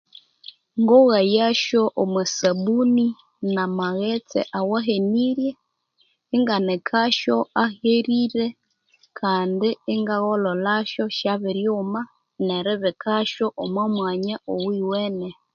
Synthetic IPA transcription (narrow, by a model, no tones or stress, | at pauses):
ŋɡoɣajaʃoʔomwesaβuni | namaɣet͡sḛʔawaɦeniɾjeː | ŋɡanekʰaʃoaheɾiɾe | kʰaːndɪːŋɡaɣololaʃoʃaβiɾjoːma | neɾɪβekʰaʃoʔomwamwaːɲaʔowiweːne